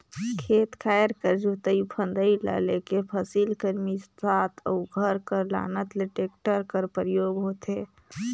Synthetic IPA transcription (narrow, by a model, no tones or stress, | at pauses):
kʰet̪kʰajəɾkəɾd͡ʒot̪əjpʰə̃nd̪əila̰lekepʰəsilkəɾmissat̪ʰə̰uɡʱəɾkəɾla̰nət̪leʈek̚ʈəɾkəɾpɾəjoːɡɦot̪e